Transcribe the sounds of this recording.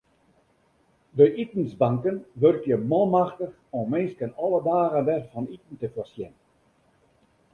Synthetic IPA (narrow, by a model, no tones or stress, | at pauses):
dəʔitn̩zbaŋkənʋørkjəmɔlˠmaxtəx | omɪnskənɔlˠədaːɣədɛrfɔnitn̩təfɔsjɛn